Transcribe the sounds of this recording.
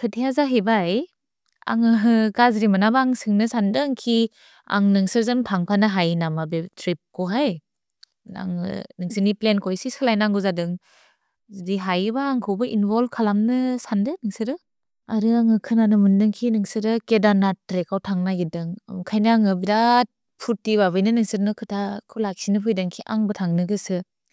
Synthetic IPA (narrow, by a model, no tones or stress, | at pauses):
pʰɯtʰijazaɦebaj | a̰ŋɯɡazɾimɯnabaŋsɯŋnɯsandɯŋkʰi | a̰ŋnɯŋsɯɾzɯnpʰaŋpʰanɯɦajnamabetʰɾip̚kɔɦaj | a̰ŋɯ̰nɯŋsɯniplenkʰɔjsisɯlajnaŋɡɯzadɯŋ | zɯdiɦajbaːŋkʰɯwbɯʔinbɔlbkʰalamnɯsandɯnɯŋsɯɾɯ | aɾɯaŋɯkʰɯnanɯmɯndɯŋkʰinɯŋsɯɾɯkedanatɾekawtʰaŋnaɡidɯŋ̰kʰajnaaŋɯbidat̚ | pʰutːibaβɯjnɯnɯŋsɯɾnɯkʰɯtʰakʰɯlak̚sinɯpʰɯjdɯŋkʰiʔaŋbɯtʰaŋnɯɡɯsɯ